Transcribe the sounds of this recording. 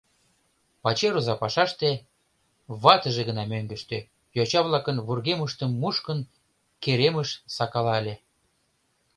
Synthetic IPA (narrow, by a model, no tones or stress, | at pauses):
pɑt͡ɕeɾuzɑpɑʃɑʃt̪e | βɑt̪əʒeɣənɑmøŋɡə̆ʃt̪ø̆ | jot͡ɕɑβlˠɑkənβurɣeməʃt̪əmːuʃkən | keɾeməʃsɑkɑlɑlʲe